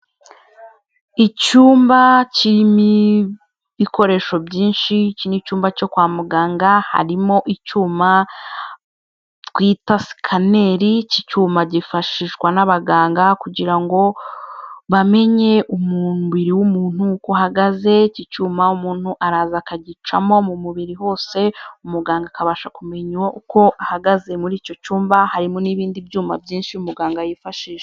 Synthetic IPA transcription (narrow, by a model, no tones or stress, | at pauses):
icuːmbacimi | βiko̞ɾe̞ʃo̞bɟiːnʃicinicuːmbaco̞kwaːmuɡaːŋɡaha̰ɾimo̞ʔicuːma | kwiːtasi̥kʰane̞ɾicicuːmbaɟifaʃiʃkwanaβaɡaːŋɡakuɟiɾaŋɡo̞ | βame̞ɲe̞ʔumunβiɾiwumuːn̥hukohaɡaze̞cit͡ʃuːmaumuːn̥huʔaɾaːzakaɟit͡ʃa̰mo̞mumuβiɾiɦo̞ːse̞umuɡaːŋɡakaβaːʃakume̞ɲuwaʔuko̞ʔahaɡaze̞muɾiːco̞cuːmbahaɾimoniβiːndibjuːma̰bjiːnʃiumuɡaːŋɡajifaʃiːʃe